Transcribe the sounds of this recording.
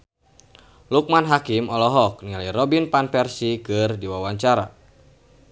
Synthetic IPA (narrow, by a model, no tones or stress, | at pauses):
luk̚manɦakimɔlɔɦɔk̚nilajɾɔbinpanpɛrsikɨrdiwawaɲt͡ʃaɾa̰